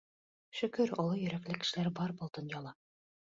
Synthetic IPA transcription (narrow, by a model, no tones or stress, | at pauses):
ʃɵ̆kɵɾŏlˠɤjɵ̆ɾæklɘkɘ̥̆ʃɘ̆læɾbɑɾbŏlˠd̪ŏnjɑlˠɑ